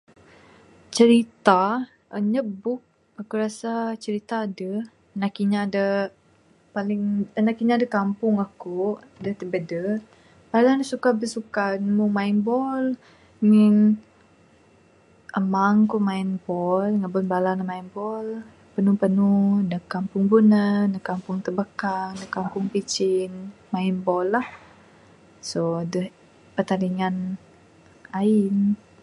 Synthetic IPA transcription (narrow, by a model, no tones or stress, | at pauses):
t͡ʃəɾit̪a | əɲəbʊk̚ | akuɾasat͡ʃəɾit̪aːdə | nakiɲaːdə | palɪŋənakiɲadəkampʊŋahkoʔ | dəht̪əbədə | b̥alanasukabəsukanmumainbɔl | ŋən | ʔəmaŋkumainbɔlŋəbɔnbalanəmainbɔl | pənupənuhdəhkːampʊŋbunənəkampʊŋt̪əbəkaŋdəkampʊŋpit͡ʃɪnmainbɔlːah | sodəh | pət̪aɾiŋan | aɪn